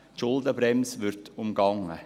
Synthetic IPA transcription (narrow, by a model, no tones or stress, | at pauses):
tʃʊld̪əbɾɛmsʋɪɾtʊmɡɑŋːə